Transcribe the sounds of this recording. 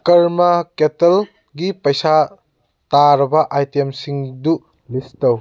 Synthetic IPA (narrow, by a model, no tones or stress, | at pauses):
kɐɾmɐketel | ɡipɐjsa | taɾɐbɐʔajtemsiŋdu | listɐw